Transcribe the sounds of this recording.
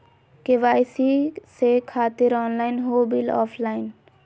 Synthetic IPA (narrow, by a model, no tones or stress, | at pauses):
keʋaːjsisekʰaːt̪ɪɾɔːnlaːɪnɦoːbilɔ̰ːpʰlaːɪn